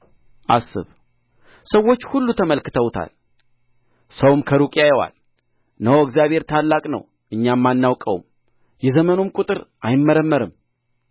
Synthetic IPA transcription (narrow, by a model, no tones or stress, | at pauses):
ʔasːɨ̰β | səwːo̞t͡ʃːhulːut̪ʰəməlkɨt̪ʰəwt̪ʰa̰l | səwmkʰəɾukʼjajwa̰l | nəwɨkzjaβhe̞ɾt̪ʰalːakʼnə̰w | ʔɨɲːamːanːawkʼə̰w̰m | jɛzəmənomkʼut̪ʼɨɾʔajɪmːəɾəmːəɾɨm